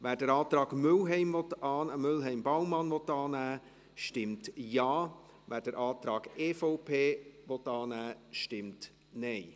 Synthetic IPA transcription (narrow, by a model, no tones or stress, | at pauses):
ʋæːɾdəɾɑːt̪ɾɑːɡ̥mʏlɦɛɪmvɔtɑːnəmʏlɦɛɪmbawmːɑnʋɔtːɑːnæː | ʃtɪmtjɑː | væːɾdəɾʔɑːt̪ɾɑːɡ̥eːfɔʊpʰeːvɔtːɑːnæːʃtɪmt | nɛɪ